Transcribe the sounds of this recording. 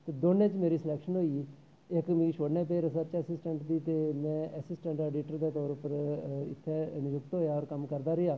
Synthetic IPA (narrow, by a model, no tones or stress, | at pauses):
t̪eːd̪oːnẽːt͡ʃmeːɾiːsɪlɛːkʃənɦoːiː | ɪkmĩːʃoːɽnẽːt̪eːɾəsət͡ʃəːsɪsʈəɳʈd̪iːt̪eːmɛ̃ːʔəsɪsʈəɳʈɛːɖiːʈəɾd̪eːt̪ɔːɾʊpəɾɪ̰t̪ʰːeːnɪjʊkt̪ɦoːjaːɔːɾkəmkəɾd̪aːɾejaː